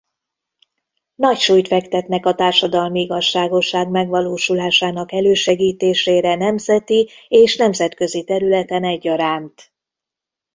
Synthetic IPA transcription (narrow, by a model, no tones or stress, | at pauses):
nɒcʃuːjt̪fɛkt̪ɛt̪nɛkɒt̪aːrʃɒd̪ɒlmiiɡɒʃːaːɡo̞ʃːaːɡmɛɡʋɒloːʃulaːʃaːnɒkɛløːʃɛɡiːt̪eːʃeːɾɛnɛmzɛt̪ieːʃnɛmzɛt̪kø̞zit̪ɛɾylɛt̪ɛnɛɟːɒɾaːnt̪